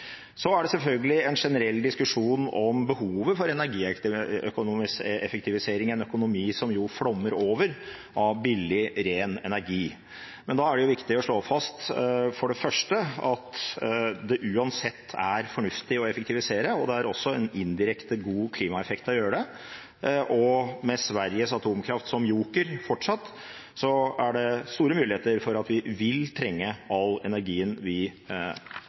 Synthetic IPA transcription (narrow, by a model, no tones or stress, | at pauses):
sɔæɖɛsɛlfœlɡəlɪɛnʂɛnəɾɛlːd̪ɪskʉʂuːnɔmbəhuːʋəfɔɾɛnæɾɡiːœkʊnuːmɪsɛ̰fɛk̚t̪ɪʋɪseːɾɪŋɛnœkʊnʊmiːsɔmjʊfɽɔmːəɾoːʋəɾ | ʔɑbɪlːɪɾeːnɛ̰næɾɡiː | mɛnd̪ɑæɖɛjʊʋɪkt̪ɪɔʂɭoːfɑst̪fɔɖɛfœʂʈəɑt̪ | d̪ɛʔʉːɑnsɛt̪ʰːæɾfɔɳʉft̪ɪɔɛfəkt̪ɪʋɪseːɾəɔd̪ɛæɾɔsːɔɛnɪnd̪ɪɾɛkt̪əɡuːkʰliːmɑɛfɛkt̪ɔjøːɾəɖ̪ɛ | ʔɔmɛsʋæɾjəsɑt̪ʰuːmkʰɾɑft̪sɔmjuːkəɾfɔʈʂɑt̪ː | sɔæɖɛst̪uːɾəmʉːlɪheːt̪əɾfɔɾɑt̪ʋɪʋɪlt̪ʰɾɛŋːəɑlɛnæɾɡiːənʋɪ